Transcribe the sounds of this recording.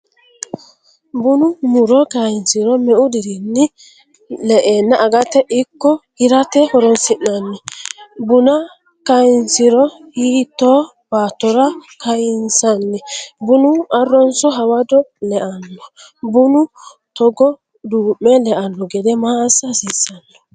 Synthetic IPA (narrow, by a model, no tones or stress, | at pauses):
bʊnʊmʊɾɔkɐjɪnsɪɾɔmɛʔʊd̪ɪɾɪnːɪ | lɛʔeːnːaʔɐɡɐt̪ɛʔɪkːɔhɪɾɐt̪ɛhɔɾɔnsɪnːɐnːɛbʊnɐ | kɐjnsɪɾɔhiːt̪ːo | b̥aːt̪ːɔɾɐkɐjɪnsɐnːɛbʊnʊɐrːɔnsɔɦɐwɐd̪ɔlɛʔɐnːɔbʊnʊ | t̪ɔɡɔ | d̪uːmːɛlɛʔɐnːɔɡɛd̪ɛmaːsːɐsisːɐnːɔ̥